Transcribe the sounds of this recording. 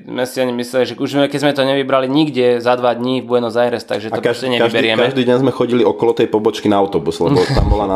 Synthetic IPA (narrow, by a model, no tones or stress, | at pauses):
mɛsiaɲimːislɛliʒɛkuʒzɛmɛkɛzmɛt̪ɔɲɛʋibɾaliɲiɡɟɛzad̪ʋad̪ɲivbujɛnɔzajɾɛst̪a̰ɡʒɛt̪ɔpkaɛɲɛkaibɛɾɪɛmkɛʒd̪iːdɛnzmɛxɔɟiliɔkɔlɔt̪ɛjpɔbɔt͡ʃkinaaʊt̪ɔbuslɛ̰bɔt̪a̰mbɔlana